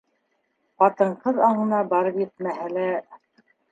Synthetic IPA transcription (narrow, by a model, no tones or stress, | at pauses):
qɑt̪ɤ̆ɴqɤðɑɴɤ̆nɑbɑɾɤpjɘ̆t̪̚mæɦɘ̆læ